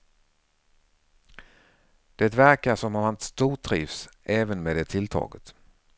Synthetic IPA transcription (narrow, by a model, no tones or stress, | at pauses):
d̪̥ɛt̪væɾkaʂɔmahant̪st̪uːʈʰːɾḭːvsʔɛːvənmeːd̪ɛt̪ʰɪlt̪ʰɑ̰ːɡət̪